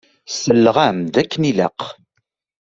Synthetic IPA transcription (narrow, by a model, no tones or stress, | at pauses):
səlːʁæmd̪ækːənilæ̰q